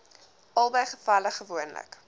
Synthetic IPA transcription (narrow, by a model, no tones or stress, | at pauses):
ɐlˠbəjχəfɐləχəvuənlə̰k